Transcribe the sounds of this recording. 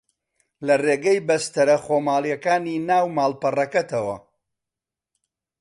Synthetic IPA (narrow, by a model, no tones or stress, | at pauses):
lɐreːɡɐjbɐst̪ɐɾɐχomaːlˠjɐkaːniːnaːwmaːlˠpɐrɐkɐt̪ɐwɐ̰